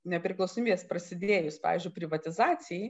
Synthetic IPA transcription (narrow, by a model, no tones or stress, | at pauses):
nʲɛpʲɾʲɪklˠɐʊsomʲiɛspɾɐsʲɪd̪ʲeːjʊspɑ̰ːʋʲiːzʲd͡ʒʲʊɪpʲɾʲɪʋɐt̪ʲɪzɑːsʲɪjɛ